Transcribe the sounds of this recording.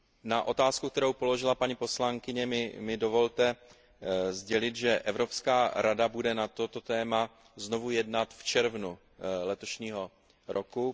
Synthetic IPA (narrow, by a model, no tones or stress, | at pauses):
naʔo̞t̪aːskuk̚t̪ɛɾowpo̞lo̞ʒɪlapaɲipo̞slaŋkɪɲɛmɪmɪdo̞vo̞lt̪ɛ | zɟɛlɪt̪ʒɛʔɛvɾo̞pskaːɾadabudɛnat̪o̞t̪o̞t̪ɛːma | zno̞vujɛdnat̪ft͡ʃɛɾvnu | lɛt̪o̞ʃɲiːɦo̞ | ɾʔoku